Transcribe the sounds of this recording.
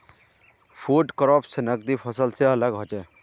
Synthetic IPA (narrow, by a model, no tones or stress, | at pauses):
pʰuɖkɾɔpʰsenək̚d̪ipʰʌsəlseələɡɦot͡ʃe